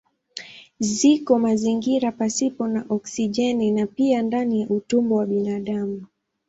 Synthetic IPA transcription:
zikɔmaziŋɡiɾapasipɔnaʔɔksiʄɛninapiandanijaʔutumbɔwaɓinaɗamu

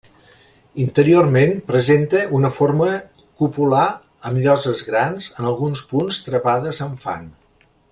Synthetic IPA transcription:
int̪əɾiormenpɾəzent̪əʔunəfoɾmə | kupula | əmʎɔzəzɣɾanzənəlˠɣunspunst̪ɾəβaðəzəɱfa̰n

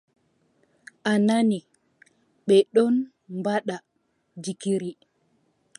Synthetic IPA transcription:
ʔanani | ɓɛɗɔn | mbaɗa | d͡ʒikiɾi

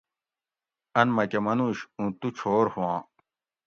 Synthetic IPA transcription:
ɐnmɐkɐmɐnuɕũːt̪ut͡ɕʰoːɾhuwãː

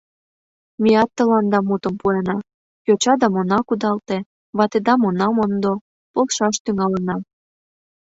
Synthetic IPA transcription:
miɑt̪ːəlɑnd̪ɑmut̪əmpuenɑ | jot͡ɕɑd̪ɑmonɑkud̪ɑlt̪e | βɑt̪ed̪ɑmonɑmond̪o | polʃɑʃt̪yŋɑlənɑ

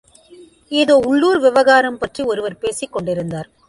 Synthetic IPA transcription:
eːðoːʊɭːuːɾʋɪʋɐɣaːɾɐmpɐʈriɔɾɯʋɐɾpeːsɪkːɔɳɖɪɾɯnd̪aːɾ

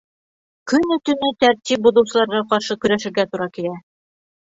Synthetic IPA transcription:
kɵnɵ̆t̪ɵ̆nɘt̪æɾt̪ip̚buðɤ̆wsɤ̆lˠɑɾʁɑqɑɾʃɤkɵ̆ɾæʃɘ̆ɾɡæt̪uɾɑkiɾæ

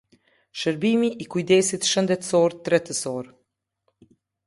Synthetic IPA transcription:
ʃəɾbimiʔikujd̪ɛsit̪ʃənd̪ɛt̪sɔɾt̪ɾɛt̪əsɔɾ

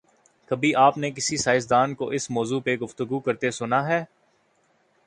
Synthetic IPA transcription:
kɐbʱiʔaːpnek̬ɪsisaːɪs̬d̪aːnkoʔɪsmɔːzupeɡʊft̪əɡukɐɾt̪esʊnaɦɛː

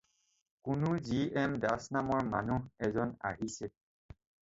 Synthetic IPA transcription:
kʊnʊziɛmdasnamɔɹma̰nuɦɛzɔna̰ɦisɛ

